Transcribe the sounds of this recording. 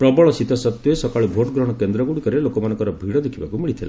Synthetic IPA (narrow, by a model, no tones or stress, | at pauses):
pɾɔbɔɭɔsit̪ɔsɔt̪jesɔkaɭebʱoʈɡɾɔɽ̃ɔkend̪ɾɔɡuɽikɔɾelokɔmanɔŋkɔɾɔbʱiɽɔd̪ekʰibakumiɭit̪ʰila